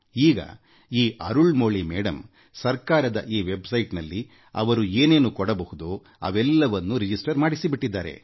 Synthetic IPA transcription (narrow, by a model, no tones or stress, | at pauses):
iːɡɐ̰ | iːʔɐ̰ɾuɭmoːɭimɛːɽɐm | sɐɾkaːɾɐd̪ɐ̰ʔiːʋebsɐjʈnɐlːi | ɐ̰ʋɐɾueːneːnukɔɽɐbɐhud̪oː | ɐ̰ʋɛlːɐʋɐnːuɾid͡ʒisʈɐɾmaːɽisibiʈːid̪ːaːɾe̞̰